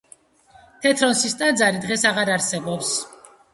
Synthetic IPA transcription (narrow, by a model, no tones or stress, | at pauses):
t̪ʰɛt̪ʰɾɔnsist̪ʼand̪zaɾid̪ʁɛsaʁaɾaɾsɛbɔps